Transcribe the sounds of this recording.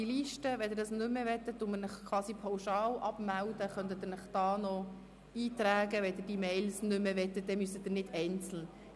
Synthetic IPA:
iliʃtəʋɛd̪ɪɾdɑsnʏmːəvɛt̪ədʊmənəχkʰwɑːsipʰawʃɑːlʔɑpmæld̥̪əχœnt̪əd̥̪ɪnəχd̥ɑːnɔ | iːt̪ɾæːɡəʋɛd̪ɪɾd̥imɛɪlsnʏmːəvɛtət̚d̥̪ɛmysəd̥̪ɪɾnɪdɛɪnt͡sl̩

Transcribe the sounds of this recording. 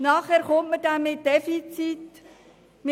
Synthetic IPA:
nɑːχhæːɾχɔntmədæmːɪt̚d̥ɛfit͡sit | mɪ

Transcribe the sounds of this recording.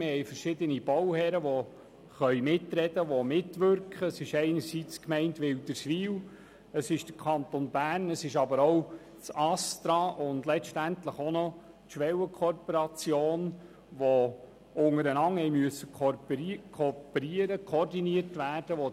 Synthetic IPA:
mɪhɛɪfəɾʃɪd̪ənibɔwhɛɾəʋɔ | χœʏmɪtɾɛdəʋomɪtʋʏɾkχəːsɪʃɛɪnəɾsiːt͡skmɛɪntʋɪld̥əɾsʋiːw | əsɪʃd̥əɾkʰɑnt̪onbæːrnəsɪʃɑbəɾɔw | t͡sɑstɾɑːʔʊndlɛʃtæntləχonɔ | tʃʋɛwəkʰɔrpoɾɑt͡sjoːn | ʋɔ | ʊŋəɾənɑŋhɛɪmyəsək | kʰɔpəɾiəɾəkʰoordiniəɾtʋæːrd̥əʋɔ

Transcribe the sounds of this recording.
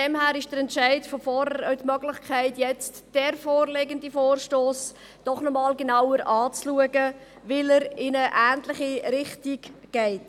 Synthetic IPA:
dɛmhæːɾɪʃd̥əɾɛntʃaɪdfɔfɔɾəœtmœɡlɪχkʰæɪtjɛt͡std̥ɛɾfɔːrleːɡəndifoːrʃtoːs | d̥ɔχnɔmɑːlɡənawəɾʔɑːt͡sluəɡə | vɪləɾɪnəʔæːntlɪχiɾɪχtiɡɡ̥ɛɪt

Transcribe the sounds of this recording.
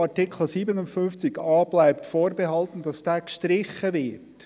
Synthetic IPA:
ɑtɪkχl̩siːbənʊntfʏnft͡sɪɡɑːb̥laɪptfoːɾbeɦɑltn̩dɑsd̥æːkʃtɾɪχːəvɪt

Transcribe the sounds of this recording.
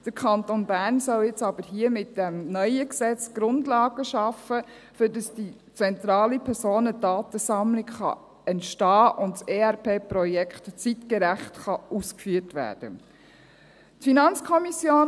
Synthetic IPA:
d̥əɾkʰɑntonbæːɾnsɔljɛt͡sɑb̥əɾɦiəmɪt̚d̥ɛmnœʏəksɛt͡sɡ̥ɾʊndlɑːɡ̥əʃɑfə | fʏɾdɑsd̥i | t͡sɛntɾɑːlipʰɛɾsoːnədɑːt̪əsɑmlɪkχɑ̰ | ɛntʃtɑːʔʊntseːæɾpʰeːpɾɔjɛkχtt͡sitkəɾæχtχɑuːskfyːəɾtʋæ̰ːɾd̥ə̰ | tfinɑnt͡skʰɔmisjoːn

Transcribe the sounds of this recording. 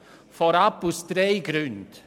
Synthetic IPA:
fɔɾɑpʊst̪ɾeɪɡɾʉnd̪̥

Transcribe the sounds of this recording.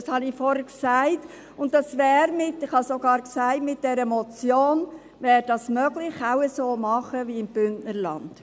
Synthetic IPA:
ɑshɑnɪfɔɾhəksæɪt | ʊntd̥ɑsʋɛːɾmɪtɪχhɑsoɡɑːɾksæɪtmɪt̚d̥ɛɾəmɔt͡sjoːn | vɛːɾd̥ɑsmœɡlɪχaʊəsoːmɑχəviɪmb̥ʏntnəɾlɑ̰nd̥

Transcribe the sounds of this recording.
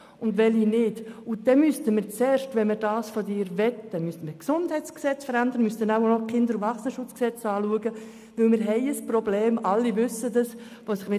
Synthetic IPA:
ʊndʋɛlinɪdʊd̥ɛnmystəmɪɾt͡sɛːɾʃtʋɛnməɾd̥ɑːsfɔdɪːɾvɛt̚d̥ɛnmystəməksʊndhɛɪt͡sksɛt͡sfəɾændəɾənmystənaʊnɔkʰɪndəɾuvɑχsənəʃʊt͡sksɛt͡sɑːluəɡə | ʋɪlmɪɾɦɛɪəsprobleːmɑlːivʏsədəs | ʋoːsɪχmɪ

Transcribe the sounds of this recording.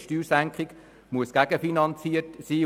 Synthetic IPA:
ʃtyːɾsæŋkχɪɡ | muəsɡ̥æɡ̥əfinɑnt͡siətsiː

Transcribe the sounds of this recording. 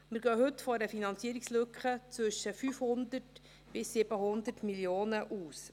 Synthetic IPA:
mɪɾɡœːɦɵtfɔɾəfinɑnt͡siəɾikslʏkχət͡sʋʏʃəfyːfhʊnd̪ət | b̥ɪsːɪb̥əɦʊnd̪ətmiljoːnəʔuːs

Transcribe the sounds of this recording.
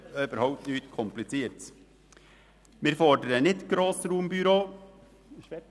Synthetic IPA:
øːbəɾhɑʊp̚t̪nyːt̪kʰɔmplɪt͡seːɾt̪ | miːɾfɔdəɾəənɪt̪ɡ̥ɾoːsɾuːmbyɾoː

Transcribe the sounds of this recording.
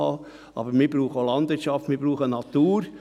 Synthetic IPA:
ɑ | ʔɑ̰bəɾmɪɾbɾuːχəolɑnd̥̪ʋɪɾtʃɑftmɪɾbɾuːχənɑt̪uːɾ

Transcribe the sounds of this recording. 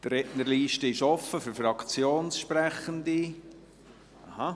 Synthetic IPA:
d̥rɾɛʔnərliːʃtəɪʃɔfːəfʏɾfrɑkʰt͡sjoːnsʃprɛχəndi | ʔɑha

